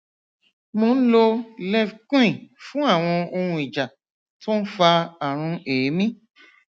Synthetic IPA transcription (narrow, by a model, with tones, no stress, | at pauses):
mõ˧n̩˦lo˧lɛ˦˨fkĩ˦˨fũ˦a˦˨w̃ɔ̃˧o˧ɾũ˧i˨d͡ʒa˨ | to˦n̩˦fa˧a˨ɾ̃ũ˧e˨˦mĩ˦